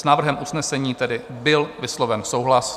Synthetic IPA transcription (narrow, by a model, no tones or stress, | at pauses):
snaːvr̩ɦɛmʔusnɛsɛɲiːt̪ɛdɪbɪlvɪslovɛnsowɦlas